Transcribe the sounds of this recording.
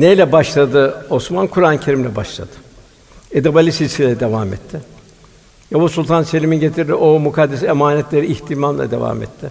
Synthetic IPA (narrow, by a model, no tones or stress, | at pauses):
nejlʲɛbaʃlˠad̪ɯosmankʰuɾanɯcʰe̞ɾimlʲɛbaʃlˠa̰d̪̥ɯ̥ | ed̪abalʲisisilʲɛd̪e̞vamɛ̰t̪ʰːɪ | jabosulʲˠt̪ʰanse̞lʲiminɟe̞t̪ʰiɾd̪iʔomukʰad̪ːesiemaːnɛt̪ʲlʲe̞ɾiːçt̪ʰimamlˠa̰d̪e̞̰va̰ːmɛ̰t̪ʰːɪ